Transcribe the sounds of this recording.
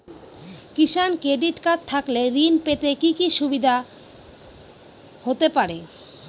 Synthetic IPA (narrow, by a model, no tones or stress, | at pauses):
kiʃankɾeɖiʈkat̚t̪ʰakleɾinpet̪ekikiʃubid̪ʱa | hot̪epaɾe